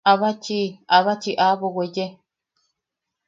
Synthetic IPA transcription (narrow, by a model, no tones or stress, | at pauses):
aβat͡ʃiaβat͡ʃiʔaβoɣʷeje